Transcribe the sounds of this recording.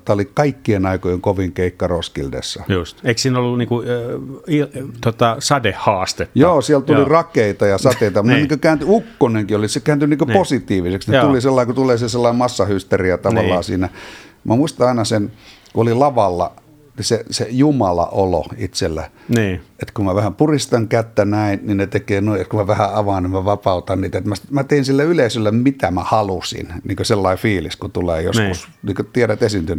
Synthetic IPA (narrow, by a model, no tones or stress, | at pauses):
t̪æolikɑikːienɑikojeŋkoʋiŋkeikːɑroskildḛsːɑjust̪eiksiːnolːuniːŋku | it̪ot̪ɑsɑdehhɑːst̪et̪ːjoːsiælt̪ulirɑkeit̪ɑjɑsɑt̪eit̪ɑmneniːŋkøkæːnt̪yukːoneŋkiolisekæːnt̪yniːŋkøposit̪iːʋiseksnett̪uliselːɑiŋkot̪uleːseselːɑimmɑsːɑhyst̪erijɑt̪ɑʋɑlːˑɑːsiːnæmæmuist̪ɑɑinɑsenkuolilɑʋɑlːɑ̰ | nisesejumɑlɑ̰ʔolo̰it̪selːæ | net̪kumæʋæhæmpurist̪ɑŋkæt̪ːænæinninet̪ekeːnuiet̪kumæʋæhæɑʋɑːnimmæʋɑpɑut̪ɑnniːt̪æet̪mæsmæt̪einsilːæyleisølːæmmit̪æmæhɑlusḭnniːŋkøselːɑifiːliskut̪uleːjo̰skusniːŋkøt̪ieɾæt̪esint̪yn